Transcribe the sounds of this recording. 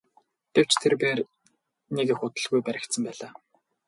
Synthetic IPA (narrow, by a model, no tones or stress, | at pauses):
ɡ̥ew̥t͡ɕt̪ʰerpeːr | nekexʊt̪ə̆ɮɣujpæɾʲɪ̆kt̪sə̆mpæːɮaː